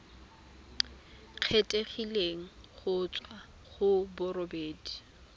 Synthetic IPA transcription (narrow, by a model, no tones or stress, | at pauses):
q͡χʰetʼeχileŋ̩χʊt͡sʼwa | χʊbʊrɔbeːdi̥